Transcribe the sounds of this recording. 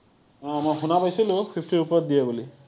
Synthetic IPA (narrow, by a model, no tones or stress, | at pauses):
ɔ̃mɔjxunapajsilʊ̃pʰipʰtiɹupɔɹɔt̚d̪ijabuli